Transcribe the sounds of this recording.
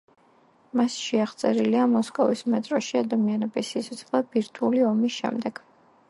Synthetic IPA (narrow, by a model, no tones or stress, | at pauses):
masʃɛaχt̪sʼɛɾiliamɔskʼɔvismɛt̪ʼɾɔʃiad̪amianɛbisit̪sʰɔt̪sʰχlˠabiɾt̪ʰuliɔmisʃɛ̰md̪ɛɡ̥